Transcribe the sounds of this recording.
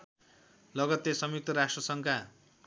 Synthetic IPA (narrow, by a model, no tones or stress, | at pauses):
lʌɡʌt̪ːesʌmjuk̚t̪ʌɾasʈrʌsʌŋkʰa